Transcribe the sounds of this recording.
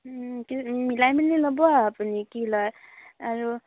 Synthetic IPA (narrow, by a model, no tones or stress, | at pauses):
kimilajminːilɔbɔaːpunikilaaɾu